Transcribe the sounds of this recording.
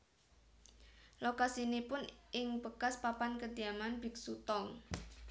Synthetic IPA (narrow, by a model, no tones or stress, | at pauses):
lokasinipʊnʔɪŋb̥əkaspapankəd̪iamanbɪk̚sut̪ɔŋ